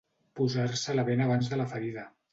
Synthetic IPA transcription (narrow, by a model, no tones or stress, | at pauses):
puzaɾsələβenəβ̞anzðələfəɾiðə